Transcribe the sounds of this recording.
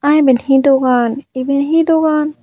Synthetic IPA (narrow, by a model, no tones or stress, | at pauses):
ãĩbenhĩd̪oɡaːnibenɦĩd̪oɡaːn